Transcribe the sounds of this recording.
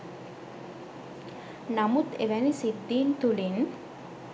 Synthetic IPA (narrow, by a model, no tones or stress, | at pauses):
namut̪eʋɛnisid̪ːiːnt̪ulin